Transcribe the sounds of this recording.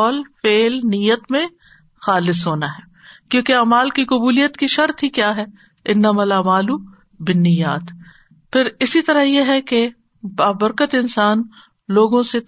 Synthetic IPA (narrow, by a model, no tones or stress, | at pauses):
lfeːlnijət̪mẽ | xaːlɪsɦoːnaɦɛː | kjõːkeaːmaːlkikʊbuːlijət̪kiʃɐɾt̪ɦikjaːɦɛː | ɪnːɐmalaːmaːlu | bɪnːɪjaːt̪ | pʰɪɾɪsit̪ɐɾajeɦɛke | baːbɐɾkət̪ɪnsaːn | loːɡõse